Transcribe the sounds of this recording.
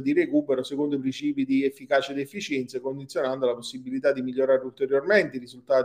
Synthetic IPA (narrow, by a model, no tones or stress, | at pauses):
d̪irekuːpeɾosekond̪oip̬ɾint͡ʃiːpid̪iefːikaːt͡ʃed̪efːit͡ʃɛnt̪sekond̪it̪sʲjonand̪olaposːibilit̪ad̪ːimiʎːoɾaːɾeult̪eɾjormeɛnt̪eirizult̪aːt̪